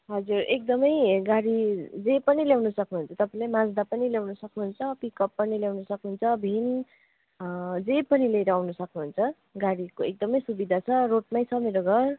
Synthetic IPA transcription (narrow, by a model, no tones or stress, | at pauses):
ɦʌd͡zurek̚d̪ʌmʌjɡaɽid͡zepʌniljawnusʌknuɦunt͡sʰʌt̪ʌpãĩlamãd͡zd̪apʌniljawnusʌknuɦunt͡sʰʌpikʌpːʌniljawnusʌknuɦunt͡sʰʌbʱin | d͡zepʌnilejɾʌawnusʌknuɦunt͡sʰʌ | ɡaɽikoek̚d̪ʌmʌjsubid̪ʱat͡sʰʌroʈ̚majt͡sʰʌmeɾoɡʱʌr